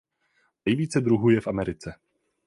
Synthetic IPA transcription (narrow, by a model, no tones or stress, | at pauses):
nɛjviːt͡sɛd̪ɾuɦujɛfamɛɾɪt͡sɛ